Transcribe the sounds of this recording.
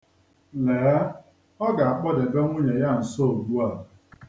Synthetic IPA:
le˨˦a˦ | ɔ˦ɡa˨a˨k͡pɔ˦de˨be˦ŋʷʊ˦ɲe˨ja˦˨n̩˨so˦o˨ɡu˦a˦˨ʊ˨

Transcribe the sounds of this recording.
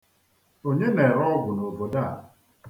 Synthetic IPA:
o˨ɲe˦ne˨ɾɔ˦ɡʷʊ˨no˨bo˨da˦˨

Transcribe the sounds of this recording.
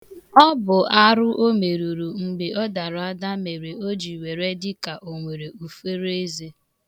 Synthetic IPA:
ɔ˦bʊ˨ʔa˦ɾʊ˦ʔo˦me˨ɾu˨ɾu˨ŋ͡m̩˨ɡ͡bɪ˨ɔ˦da˨ɾa˦da˦me˨ɾe˨o˦d͡ʒi˨we˨ɾe˦dɪ˦ka˨ʔo˨ŋʷe˨ɾe˨u˨fe˦ɾe˦ze˦

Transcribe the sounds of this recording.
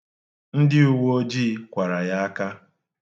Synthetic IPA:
n̩˦dɪ˦u˦wo˦o˦d͡ʒiː˦kʷa˨ɾa˨ja˦a˦ka˦

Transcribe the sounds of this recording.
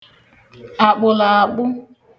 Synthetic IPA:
a˨k͡pʊ˨la˨a˨k͡pʊ˦

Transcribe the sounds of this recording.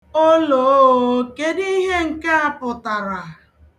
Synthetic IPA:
o˦lo˨˦o˦ke˦di˦ɦe˦ŋ̩˨ka˦a˦pʊ˨ta˨ɾa˨

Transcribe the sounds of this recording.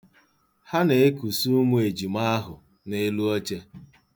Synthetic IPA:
ha˦ne˨e˦ku˨su˦mu˦e˨d͡ʒi˨ma˦a˦ɦʊ˨ | ne˦lu˦ɔ˦t͡ʃe˦

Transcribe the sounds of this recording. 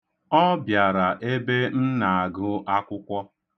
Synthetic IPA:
ɔ˦bja˨ɾa˨ʔe˦be˦n̩˦na˨a˨ɡʊ˦ʔa˦kʷʊ˦kʷɔ˦

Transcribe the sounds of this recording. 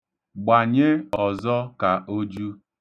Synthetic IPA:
ɡ͡ba˨ɲe˦ɔ˨zɔ˦ka˨ʔo˦d͡ʒu˦

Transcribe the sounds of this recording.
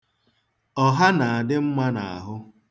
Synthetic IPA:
ɔ˦ɦa˦na˨a˨dɪ˦m̩˦ma˦na̰˨a̰˨ɦʊ˦

